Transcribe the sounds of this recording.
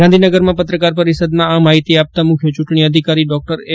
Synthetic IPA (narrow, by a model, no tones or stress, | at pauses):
ɡãnd̪ʱinəɡəɾmãpət̪ɾəkaɾpəɾisəd̪mãamaɦit̪iap̚t̪amʊkʰjot͡ʃʊʈɳ̃iəd̪ʱikaɾiɖɔk̚ʈəɾe